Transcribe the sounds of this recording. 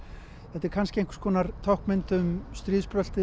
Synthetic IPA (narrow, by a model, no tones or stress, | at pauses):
θɛht̪ːɛɾkʰanscɪejŋkskʰɔːnaɾt̪ʰawhkmɪnt̪ʏmst̪ɾiːðspɾœl̥t̪ɪ